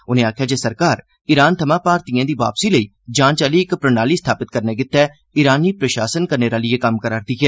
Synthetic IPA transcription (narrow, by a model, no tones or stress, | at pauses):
ʊnẽːaːkʰjaːd͡ʒeːsəɾkaːɾ | ɪɾaːnt̪ʰəmãːpaːɾt̪ijãːd̪iːʋa̰ːpsiːləiː | d͡ʒãːt͡ʃaːliːɪkpɾənaːliːst̪ʰaːpɪt̪̚kəɾneːɡɪt̪ːɛː | ɪɾaːniːpɾəʃaːsənkəɾneːɾaːlɪeːkəmkəɾaːɾd̪iːkɛ